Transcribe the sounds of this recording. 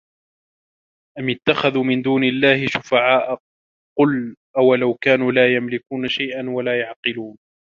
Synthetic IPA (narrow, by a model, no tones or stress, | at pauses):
ʔamɪt̪ːaxaðuːmɪnd̪uːnɪlːaːhɪʃʊfaʕaːʔa | qʊlʔawalawkaːnuːlaːjamlɪkuːnaʃajʔanwalaːjaʕqɨluːn